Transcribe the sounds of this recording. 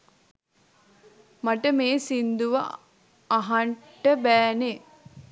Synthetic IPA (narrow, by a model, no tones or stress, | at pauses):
maʈəmeːsind̪uʋa̰ː | ɦaɳ | ʈəbæːne